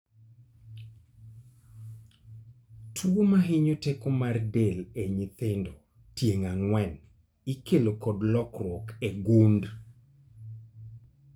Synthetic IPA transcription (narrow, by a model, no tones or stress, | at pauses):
tʰwomaɦɪɲotekomardeleɲit̪endo | tjeŋaŋwɛn | ikelokɔdlɔkrwɔkeɡund